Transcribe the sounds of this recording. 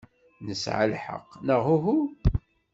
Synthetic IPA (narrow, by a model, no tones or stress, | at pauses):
nəsʕa̰lħə̰qnəʁuɦu